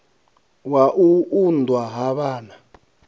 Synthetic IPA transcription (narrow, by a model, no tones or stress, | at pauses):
waʔuundʱwaɦaɓaːna